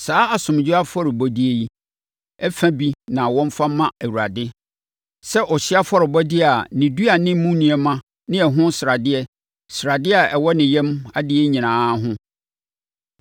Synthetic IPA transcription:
saː˦a˨sʊ̃˨m˨d͡ʑu˦a˦fɔ˦ɾɪ˨bɔ˨di˦e˨ji˦ | ɛ˦fæ̃˦bi˦nã˨wɔ̃˦m˦fa˦mã˦ɛ˨wu˨ɾa˨dɪ˦ | sɛ˦ʔɔ˨ɕɪ˦a˦fɔ˦ɾɪ˨bɔ˦dɪ˦a˨nɪ̃˨du˦a˨nɪ̃˦mũ˦nĩ˨ɛ˨mã˦ | nɪ̃˦ɛ˨ɦʊ̃˦sɪ˨ɾa˨dɪ˦ɛ˦ | sɾa˨dɪ˦a˨ɛ˨wɔ˦nɪ̃˨jɛ̃˦ma˦dɪ˦ɛ˦ɲĩ˨nãː˦ɦʊ̃˦

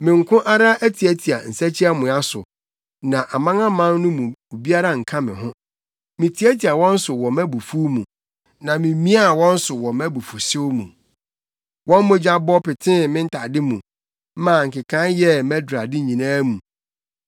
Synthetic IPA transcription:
mɪ̃˨ŋ̩˨kʰʊ̃˦ʔa˦ɾa˦ʔæ˦tʰi˨æ˦tʰi˨a̰˨n̩˨sæ˦t͡ɕʰi˦a˦mʊ̃˨a˦sʊ̰˨ | nã˨ʔa˨mã˦ŋã˦mã˦nnʊ̃˦mũ˨u˨bi˦a˦ɾa˦ŋ̩˨kʰã˦mɪ̰̃˨ɦʊ̃˦ | mɪ̃˨tʰi˨æ˦tʰi˨a˨wɔ̃˦n̩˦sʊ˨wɔ˨mæ˦bu˨fu˦mũ˨ | nã˨mɪ̃˨˦mĩ˦a˦˨wɔ̃˦n̩˦sʊ˨wɔ˨mæ˦bu˨fu˨sɪ˦mṵ̃˨ | wɔ̃˦m˦mʊ̃˦d͡ʑa˦bɔ˦pɪ˨tʰɪ̃˦mɪ̃˦n̩˦tʰa˨dɪ˦mũ˨˦ | mã˨ŋ̩˨kɪ˨kʰã˦njɛ˦mɛ˦dɾa˨dɪ˦ɲĩ˨nãː˦mũ˨

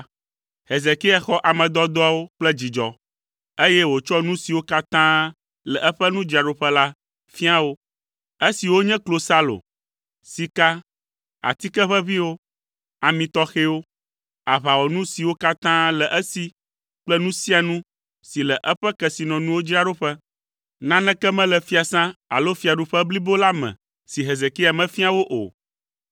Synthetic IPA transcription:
he˨ze˨ki˦ɛ˦xɔ˦ʔa˨mɛ̃˨d̪ɔ˦d̪ɔ˦a˦wo˦k͡plɛ˦d͡ʑi˨d͡ʒɔ˨ | e˦jɛ˦wo˨t͡ʃɔ˦nũ˦si˨wo˦ka˦t̪ã˦ | lɛ˨ʔɛ˦ɸɛ˦nũ˦d͡ʒi˨a˨ɖo˨ɸɛ˦la˦ | fi˦a˦wo˦ | e˦si˨wo˦ɲɛ̃˦klo˨sa˦lo̰˨ | si˨ka˦ | a̰˨t̪i˦kɛ˦ɸɛ˦βi˦wo˦ | a˨mĩ˨t̪ɔ˦xe˦wo˦ | a˨βa˨wɔ˨nũ˦si˨wo˦ka˦t̪ã˦lɛ˨ʔɛ˦si˨ | k͡plɛ˦nũ˦si˦a˨nũ˦ | si˨lɛ˨ʔɛ˦ɸɛ˦kɛ˨si˨nɔ̃˨nũ˦wo˦d͡ʒi˦a˦ɖo˦ɸɛ˦ | nã˦nɛ̃˦kɛ˦mɛ̃˦lɛ˨fi˦a˨sã˦a̰˨lo˦fi˦a˨ɖu˨ɸɛ˦bli˦bo˦la˦mɛ̰̃˨ | si˨ɦe˨ze˨ki˦a˨mɛ̃˨fi˦a˨wo˦ʔo̰˨

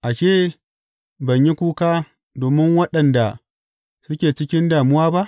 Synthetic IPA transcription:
ʔa˨ʃeː˦˨ | bɐ˨ɲji˦kʷuː˦kaː˦ | doː˨mɪ˦ŋwɐ˦ɗɐ˨nda˨ | sʊ˦kʲeː˨t͡ʃɪ˦kʲɪ˦ndaː˨mʊ˦waː˦ba˦ʔ

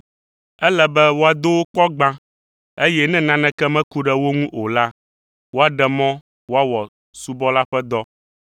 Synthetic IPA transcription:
ɛ˦lɛ˦bɛ˦wo˦a˨d̪o˦wo˦k͡pɔ˦ɡ͡bã˦ | e˦jɛ˦nɛ̃˦nã˦nɛ̃˦kɛ˦mɛ̃˦ku˦ɖɛ˦wo˦ŋũ˦ʔo˨la˦ | wo˦a˨ɖɛ˨mɔ̃˦ | wo˦a˦wɔ˨ | su˨bɔ˦la˦ɸɛ˦d̪ɔ˦

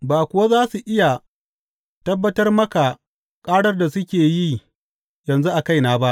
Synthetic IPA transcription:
baː˨kʷʊ˨wa˦zaː˦su˨ʔɪ˦ja˨ | tɐ˦bːɐ˦tɐ˦rmɐ˦ka˨ | kʼaː˦ɽɐ˦rda˨sʊ˦kʲeː˨ji˦ | jɐ˨nzu˦ʔa˨ka˦jnaː˦ba˦ʔ

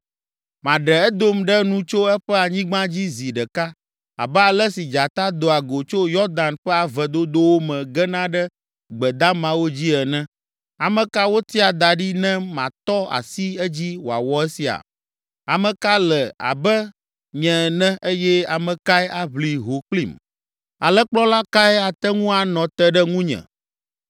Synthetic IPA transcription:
mã˨ɖɛ˨ɛ˦d̪o˦mɖɛ˦nũ˦t͡ʃo˦ɛ˦ɸɛ˦a˨ɲĩ˦ɡ͡bã˦d͡ʑi˦zi˨ɖɛ˨ka˦ | a̰˨bɛ˦a˨lɛ˦si˨d͡ʒa˨t̪a˦d̪o˨a˨ɡo˨t͡ʃo˦jɔ˦d̪a˨nɸɛ˦a˨vɛ˨d̪o˦d̪o˦wo˦mɛ̃˨ɡɛ˦nã˦ɖɛ˦ | ɡ͡bɛ˨d̪a˦mã˨wo˦d͡ʑi˦ɛ˨nɛ̃˦ | a˨mɛ̃˨ka˦wo˦t̪i˦a˨d̪a˨ɖi˦nɛ̃˦mã̰˨t̪ɔ˦a̰˨si˦ɛ˦d͡ʑi˦wo˨a̰˨wɔ˦ɛ˦si˨a̰˨ | a˨mə̃˨ka˦lɛ˨a̰˨bɛ˦ | ɲɛ̃˨nɛ̃˦ʔe˦jɛ˦a˨mɛ̃˨ka˦ɛ˦a˦βli˨ɦo˨k͡plḭ˦˨m | a˨lɛ˦k͡plɔ˦la˦ka˦ɛ˦a˨t̪ɛ˦ŋũ˦a˨nɔ̃˨t̪ɛ˦ɖɛ˦ŋũ˦ɲɛ̰̃˨

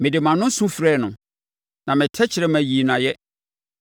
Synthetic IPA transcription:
mɪ̃˨dɪ˨mã˨nʊ̃˦sũ˦fɾɛː˦˨nʊ̃˨ | nã˨mɪ̃˨tʰɛ˦t͡ɕʰɪ˨ɾɛ˦mæ̃˨ji˨nã˨jɛ˦

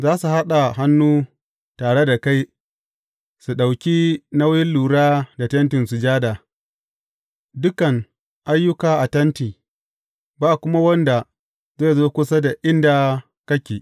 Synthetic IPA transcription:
zaː˦su˨ha˦ɗa˨ɦa˦nːuː˦ | taː˨ɽe˦da˨ka˦j | su˨ɗa˨wkʲi˦na˦wjɪ˦nluː˨ɽaː˦da˨tɐ˦ntɪ˨nsu˨d͡ʒaː˦da˨ | dʊ˦kɐ˨ŋ | ʔa˦jːʊ˦kaː˨ʔa˨tɐ˦ntiː˨ | baː˦ʔkʷʊ˦ma˦wɐ˦nda˨ | zeː˦˨zoː˦kʷʊ˦sa˦da˨ʔɪ˦nda˨ | kɐ˦kʲeː˨

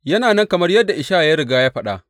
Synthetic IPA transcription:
jɐ˦naː˨nɐ˦ŋkɐ˨mɐ˦rjɐ˦dːa˨ʔɪ˨ʃaː˦ja˦ɾɪ˨ɡaː˦jaː˦ɸɐ˦ɗa̰˦

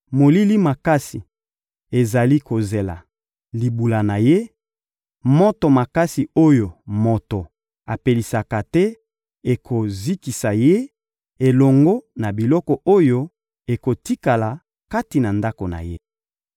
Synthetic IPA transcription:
mo˨li˦li˦ma˨ka˦si˨ | e˨za˨li˦ko˨ze˨la̰˨ | li˨bu˨la˨na˨je˦ | mo˦to˨ma˨ka˦si˨o˦jo˨mo˨to˨ | a˨pe˨li˨sa˨ka˨tɛ˦ | e˨kʰo˨zi˦ki˨sa˨je˦ | e˨lɔ˨ŋɡo˦na˨bi˨lɔ˦kɔ˨ʔo˦jo˦ | e˨ko˨ti˦ka˨la˨ | ka˦ti˨na˨nda˦ko˨na̰˨je˦

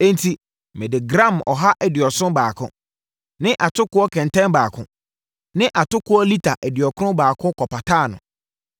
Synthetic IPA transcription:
ẽ˦ntʰi˨ | mɪ̃˨dɪ˨ɡɾã˦˨mɔ̰˨ɦa˦ʔɛ˨dɪ˨ɔ˨sʊ̃˦baː˨kʰʊ̰̃˦ | nɪ̃˦ʔa˨tʰʊ˦kʊ˦ɔ˦kʰɛ̃˨n˨tʰɛ̃˦nbaː˨kʰʊ̰̃˦ | nɪ̃˦ʔa˨tʊ˦kʰʊ˦ɔ˦li˦tʰa˨ʔɛ˨dɪ˨ɔ˨kʰʊ˦ʊ̃˦baː˨kʰʊ̃˦kʰɔ˨pʰa˨tʰaː˦˨nʊ̰̃˨

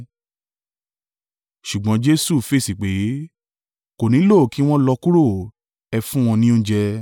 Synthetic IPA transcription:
ʃu˨ɡ͡bɔ̃˨˦d͡ʒe˦su˦˨fe˦˨si˨k͡pe˨˦ | ko˨nĩ˨˦lo˦˨ki˨˦w̃ɔ̃˦lɔ˧ku˦ɾo˦˨ | ɛ˧fũ˦w̃ɔ̃˧nĩ˦õ˦d͡ʒɛ˧

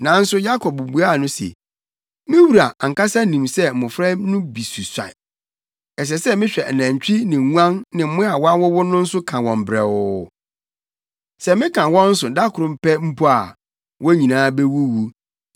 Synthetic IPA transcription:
nã˨n̩˦sʊ˦ja˦kʰɔ˨b̚bu˨a˦˨nʊ̃˦sḛ˨ | mɪ̃˦wu˨ɾa˨a˨ŋ̩˨ka˦sa˦nĩ˨msɛ˦m̩˨mʊ̃˨fɾɛ˦nʊ̃˦bi˨su˨sã̰˨ | ɛ˨s̬ɛ˨sɛ˦mɪ̃˦ɕᶣɛ˨næ̃˨ɲ˨t͡ɕᶣi˦nɪ̃˨ŋ˦ã˦nnɪ̃˨m̩˦mʊ̃˦a˨wɔ˦a˦wʊ˦wʊ˦nʊ̃˦n̩˦sʊ˦kʰã˨wɔ̃˨m˨bɾɛ̰˨ʊ˦ | sɛ˨mɪ̃˦kʰã˨wɔ̃˦n̩˦sʊ˨da˦kʰʊ˨ɾʊ̃˨m̩˦˨pɛ˦m̩˦pʰu˦a˨ | wɔ˦ɲĩ˨nãː˦be˦wu˦wu˦

